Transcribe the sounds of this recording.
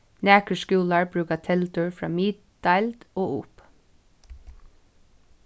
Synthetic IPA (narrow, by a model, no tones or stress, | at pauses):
næːkəʃkʉːlɑɹbɹʉːkɑt̪ʰɛlt̪əɹfɹɑ̰ːmiːd̪ | d̪ɑɪld̪oːʊp